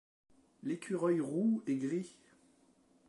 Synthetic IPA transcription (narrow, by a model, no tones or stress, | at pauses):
lekʲʰyʁɔjʁueɡʁi